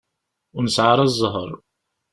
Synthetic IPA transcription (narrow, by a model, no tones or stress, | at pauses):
ʊɾnəsʕaɾˤɑzˤːəɦə̰ɾˤ